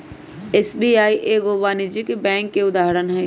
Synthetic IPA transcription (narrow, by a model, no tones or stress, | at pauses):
esbiːaːiʔeːɡoːʋaːnid͡ʒikebɛ̃ːŋkːeʊd̪aːɦɾənɦɛ̃ː